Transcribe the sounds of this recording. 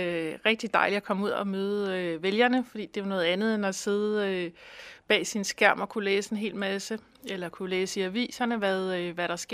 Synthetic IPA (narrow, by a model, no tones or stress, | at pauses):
ʁeɡ̥̚d̥id̥ɑ̈ɪliækʰɒ̽muð̰ˠɒmøːð̞̩ˠøʋeljɐnəfɒd̥ḭːd̥e̝anɔ̽ːð̩ˠænð̞̩ˠenɒse̝ðˠøb̥ɛ̰ːsinsɡ̥æɐ̰mɒ̽kʰuleːsəenɦe̝̰ːl̥mæsə | elɐkʰuleːsiæʋḭːsɐnəʋæðˠʋæɾ̥ɑ̈sɡ̥e